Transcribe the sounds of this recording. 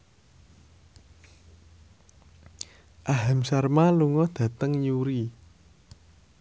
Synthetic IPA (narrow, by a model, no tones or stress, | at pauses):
ʔaɦamsarmaluŋɔd̪̥ä̤t̪əŋjuɾi